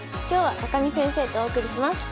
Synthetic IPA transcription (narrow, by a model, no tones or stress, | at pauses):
kʲo̞ːβat̪akamʲisẽ̞ɰ̃se̞ːt̪eo̞ːkɯ̟ɾʲiɕimasɨ̥